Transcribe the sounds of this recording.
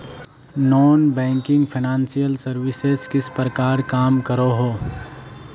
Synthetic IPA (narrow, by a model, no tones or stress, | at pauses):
nɔːnbɛ̃ːŋkɪ̃ŋɡpʰɪnãːnsijəlsɐɾʋɪsezkɪspɾəkaːɾkaːmkəɾoɦoː